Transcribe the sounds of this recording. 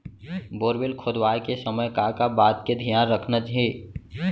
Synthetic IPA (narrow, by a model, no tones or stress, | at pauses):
boːɾʋɪlkʰʊd̪waːjkesəməjkakabaːt̪ked̪ʱijaːnɾəkʰnəd͡ʒɦeː